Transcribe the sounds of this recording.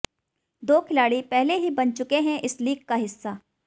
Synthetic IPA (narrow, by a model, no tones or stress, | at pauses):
d̪oːkʰɪlaːɽipɛɦleɦibɐnt͡ʃʊkeɦɛ̃ʔɪsliːkkaɦɪsːaː